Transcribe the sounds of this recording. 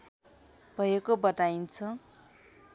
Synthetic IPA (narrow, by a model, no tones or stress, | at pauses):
b̥ʱʌjekobʌt̪aint͡sʰʌ